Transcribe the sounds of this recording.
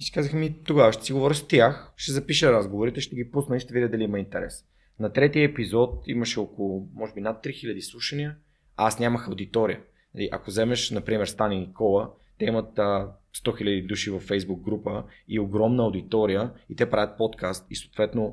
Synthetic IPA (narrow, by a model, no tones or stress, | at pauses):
isi̥kazəxmit̪oɡavəʃt̪ɛ̥siɡovɔɾʲəst̪ʲjaxʃt̪ɛzɐpiʃəɾazɡovoɾit̪ɛʃt̪ɛɡipusnəiʃt̪ɛvid̪ʲəd̪ɐliimɐint̪ɛɾɛ̰s | nɐt̪ɾɛt̪iəɛpizɔt̪̚ḭməʃɛokolˠʊmɔʒɛbinat̪ːɾixilʲɐd̪islˠuʃɐniə | asnʲaməxɐwd̪it̪ɔɾiə | nɐliʔɐ̰kozɛmɛʃnɐpɾimɛɾst̪aninikʰɔlˠə | t̪ɛimɐt̪əst̪ɔxilʲɐd̪id̪uʃivɐfːɛjzbuɡ̚ɡɾupəioɡɾɔmnəɐʊd̪it̪ɔɾijəit̪ɛpɾavʲət̪̚pɔt̪kʰast̪isoːt̪vɛt̪no